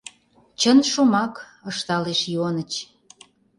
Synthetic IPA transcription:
t͡ɕənʃumɑk | əʃt̪ɑleʃjonət͡ɕ

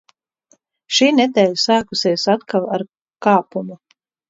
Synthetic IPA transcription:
ʃiːnɛt̪ɛːlsaːkusiɛsat̪kalˠaɾ | kaːpumu

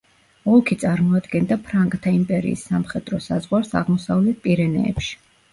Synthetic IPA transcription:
ɔlˠkʰit̪sʼaɾmɔad̪ɡɛnd̪apʰɾaŋkʼt̪ʰaimpʼɛɾḭːsːamχɛd̪ɾɔsazʁwaɾsa̰ʁmɔsavlɛt̪̚pʼiɾɛnɛ̰ːpʃi̥

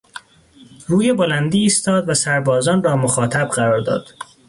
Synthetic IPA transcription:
ruːjebolænd̪iːst̪ɒːd̪væsæɾbɒːzɒːnrɒːmoxɒːt̪ʰæbɢæɾɒːɾd̪ɒ̰ːd̪̥

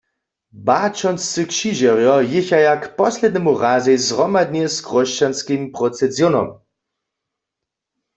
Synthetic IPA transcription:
bat͡ʃɔnst͡sɨkʃiʒɛʁjɔjɪçajakpɔslʲɛd̪nɛmuʁaːzɛjzʁɔmad̪nʲɛskʁɔʃt͡ʃanskimpʁɔt͡sɛzjɔnɔ̰m

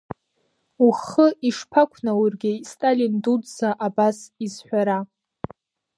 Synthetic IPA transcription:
uχəiʂpʰakʷʰnawurɡʲɪistʼalindudzaʔabasizħʷᶣaɾa

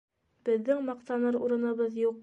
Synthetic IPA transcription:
b̥ɘ̆ðːɘŋmɑqt̪ɑnɤɾuɾɤ̆nɤ̆βɤðjuq̚

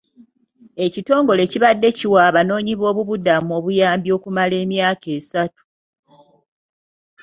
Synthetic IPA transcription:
e̞cito̞ːŋɡo̞le̞ciβadːe̞ciwaːβano̞ːɲiβo̞ːβuβudamuo̞ːβujaːmbjo̞ːkumale̞ːmjaːke̞ːsatu̥

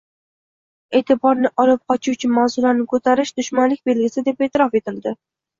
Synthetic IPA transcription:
e̞ːt̪ʰɪbɒɾnɪʔɒlɪp̚qʰɒt͡ʃʰut͡ʃʰɪmawzɪlaɾnɪkʰot̪ʰaɾɪʃd̪ʊʃmanlɪk̚ʲbe̞lɡʲɪsɪd̪e̞peːt̪ʰɪɾɒfe̞t̪ɪld̪ɪ

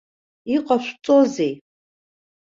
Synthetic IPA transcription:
iqʼaʃʷt͡sʼozej

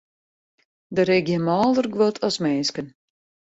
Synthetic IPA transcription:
dəɾɪɡjəmɔːlˠdərɡʋotʰɔsmɛnskən

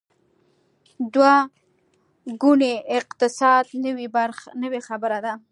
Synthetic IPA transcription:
d̪wa | ɡʊneɪqt̪ɪsɑd̪nəwibaɾxnəwexabəɾad̪a

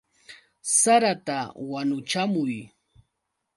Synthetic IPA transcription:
saɾat̪awanʊt͡ʃamʊj

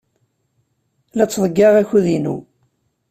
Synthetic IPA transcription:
læt͡sːðˤəɡːɑʁæçuðinṵ

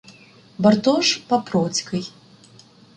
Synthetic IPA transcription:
bɐrt̪ɔʂpɐpɾɔt͡sʲkɐj

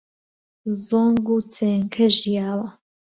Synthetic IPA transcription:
zoːŋɡuːt͡seːŋkʰɐʒijaːwɐ

